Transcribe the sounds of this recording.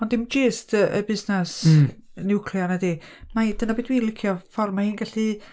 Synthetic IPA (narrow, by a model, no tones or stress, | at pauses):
ɔndɪmd͡ʒɪːstʰəʔəbɪznɛs | nɪkʰljanadi | majd̥ənabeːdwiːnlˠɪkʰjɔfɔrmahiːnɡaɬi